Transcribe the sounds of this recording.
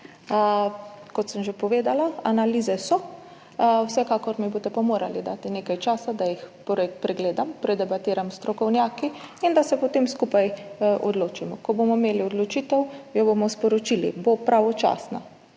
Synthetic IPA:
kɔt̪səmʒepɔʋeːd̪alaanalizɛsɔ | wsɛkaːkɔɾmiboːt̪ɛpamoːɾa̰lid̪a̰ːt̪ineːkajt͡ʃaːsad̪ajixpɾɛpɾɛɡleːd̪ampɾɛd̪ɛbat̪iːɾamst̪ɾɔkɔwnʲjaːkiind̪asɛpɔt̪eːmskupajʔɔd̪loːt͡ʃimɔkɔbomɔmeːliɔd̪lot͡ʃiːt̪ɛwjɔbomɔspɔɾot͡ʃilḭbopɾʔaʋɔt͡ʃa̰ːsna̰

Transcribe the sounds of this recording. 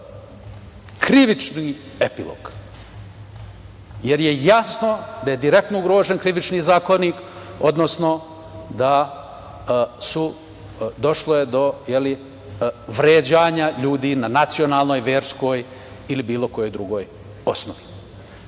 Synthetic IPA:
kɾiʋit͡ʃni | epilˠo̰ɡ̥ | jeɾje̞jasno̞d̪aje̞d̪iɾe̞kt̪nouɡɾo̞ːʒenkɾiʋit͡ʃniːzaːko̞niːko̞d̪nosno̞ | d̪a | su | d̪o̞ʃlojed̪o̞jeli | ʋɾeːd͡ʑaːɲaʎuːd̪iːnanat̪sio̞naːlˠno̞ːjʋeːɾsko̞ːj | ilibiːlo̞ko̞jo̞jd̪ɾuɡo̞ːj | o̞snoʋi

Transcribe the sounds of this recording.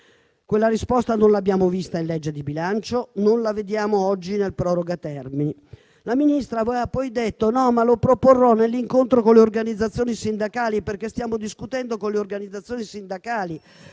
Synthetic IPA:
kwelːaɾispɔst̪anonlabjaːmovist̪ainlɛd͡ʒːed̪ibilant͡ʃononlaved̪jaːmoɔd͡ʒːinelpɾɔːɾoɡat̪ɛrmini | laminist̪ɾavojapːɔjd̪et̪ːonɔmalopɾoporːɔnelːiŋkont̪ɾokoleorɡanid̪zːat̪sːjoːnisind̪akaːliperkest̪jaːmod̪iskut̪ɛnd̪okonleorɡanid̪zat̪sːjoːnisind̪akaːli

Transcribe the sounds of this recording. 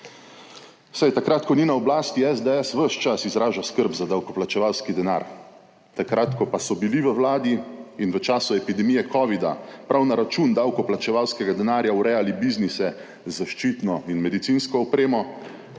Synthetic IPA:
sajt̪akɾaːt̪kɔninaɔblaːst̪iɛzd̪ɛɛsʋəʃt͡ʃasizɾaːʒaskəɾbzad̪awkɔplat͡ʃɛʋawskid̪ɛna̰ːɾ | t̪akɾat̪kɔpasɔbiliʋəwlaːd̪iːnʋət͡ʃaːsuɛpid̪ɛmijɛkɔːʋid̪a̰pɾʔawnaɾat͡ʃund̪awkɔplat͡ʃɛʋawskɛɡad̪ɛnaːɾjauɾɛjalibiznisɛ | zaʃt͡ʃiːt̪nɔinmɛd̪it̪sinskɔːpɾeːmɔ

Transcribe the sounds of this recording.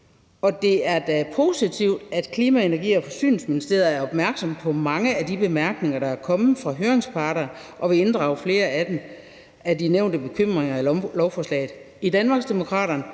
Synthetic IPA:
ɒ̽d̥e̝æɐd̥æpʰo̝sit͡sʰiʊd̥æd̥kʰliːmæe̝nɐɡ̥ḭːɒ̽fɒ̽sy̰ːnl̩sminisd̥e̝̰ɐðˠɐæɐɒ̽b̥mæɐɡ̥sɒ̽mpʰɒ̽mɑ̈ŋəæd̥ib̥e̝mæɐɡ̥ne̝ŋɐɾ̥ɑ̈æɐkʰɒ̽mð̩ˠfʁɑ̈ɦøːɐeŋspʰɑ̈ːɾɐʔɒ̽ʋe̝e̝nd̥ʁɑ̈ʊɐfle̝ːɐæd̥em | æd̥ineʊnd̥əb̥e̝kʰøm̰ʁeŋɐælɒʊfɒːslɛ̰ːɪð̩ˠ | id̥ænmɑ̈ːɡ̥sd̥e̝mo̝kʰʁɑ̰̈ːɾɐn

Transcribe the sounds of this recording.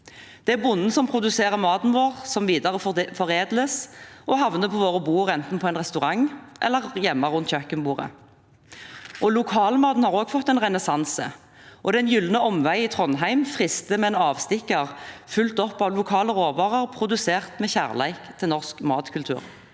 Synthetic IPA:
d̪̥ɛæbʊnːn̩sɔmpʰʁʊd̪ʉseːʁəmɑːd̪n̩ʋoːʁsɔmʋiːd̪ɑʁəfɔʁeːd̪ləsʔɔhɑʋnəpʰɔʋoːʁəbuːʁɛnt̪n̩pʰɔɛɪnʁɛst̪ʉʁɑŋʔɛ̰lːəʁjɛmːɑʁʉnt̪ʰçœkənbuːʁə̰ | ʔɔlʊkʰɑːlmɑːd̪n̩hɑːʁoːɡfɔt̪ːɛnʁɛnɛsɑnsə̰ | ʔɔd̪ɛnjʏlnəɔmʋæɪɪːt̪ʰʁɔnɦæɪmfʁɪst̪əmɛːnɑːʋst̪ɪkːəʁfʉlt̪ɔpːɑʋlʊkʰɑːləʁoːʋɑːʁəʁpʰʁʊd̪ʉseːʁt̪mɛçæʁlæ̰ɪkt̪ʰɪlnɔʁskmɑːt̪kʰʉlt̪ʰʉ̰ːʁ

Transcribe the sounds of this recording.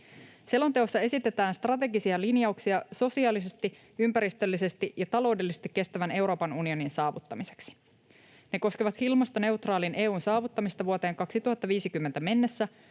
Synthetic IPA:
se̞lo̞nt̪e̞osːɑe̞sit̪e̞t̪æːnst̪rɑt̪e̞ɡisiɑlinjɑuksiɑso̞siɑːlise̞st̪i | ympæɾist̪ølːise̞st̪iʔjɑt̪ɑlo̞wde̞lːisest̪ikːe̞st̪æʋæne̞wɾo̞ːpɑnunio̞ninsɑːʋut̪ːɑmise̞̥ksi̥ | ne̞ko̞skeʋɑt̪hilmɑst̪ɑne̞ut̪rɑːlinʔe̞ːuːnsɑːʋut̪ːɑmist̪ɑʋuot̪e̞ːŋkɑksit̪uhɑt̪ːɑʋiːsikymːent̪æme̞nːe̞sːæ

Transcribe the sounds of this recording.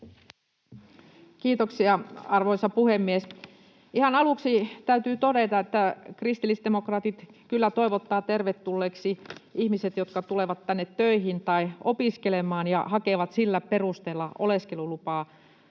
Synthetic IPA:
kiːt̪oksiɑɑrʋoisɑpuhemːies | ʔihɑnɑluksit̪æyt̪yːt̪odet̪ɑet̪ːækrist̪ilːist̪d̪emokrɑːt̪it̪kylːæt̪oiʋot̪ːɑːt̪erʋet̪ːulːeːksiihmiset̪jot̪kɑt̪uleʋɑt̪tænːet̪tøihint̪ɑiopiskelemɑːnjɑ̰hɑkeʋɑt̪silːæperust̪eːlːɑoleskelulupɑː

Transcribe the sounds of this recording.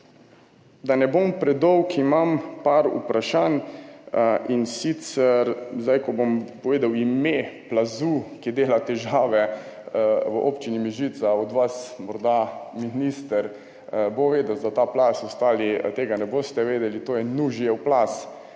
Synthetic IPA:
d̪anɛbompɾɛd̪ɔwkimampaɾṵpɾaʃaːn | ʔinsit̪sɛɾzd̪ajkɔbompɔʋeːd̪awimeplazukid̪eːlat̪ɛʒaːʋɛ | ʋəʔo̰pt͡ʃinimiʒit̪saɔd̪ʋasmɔɾd̪aminist̪əɾ | boʋeːd̪əwd̪at̪aplasɔst̪aːlit̪eːɡanɛbost̪ɛʋeːd̪ɛlit̪oːjɛnuʒjɛwplas

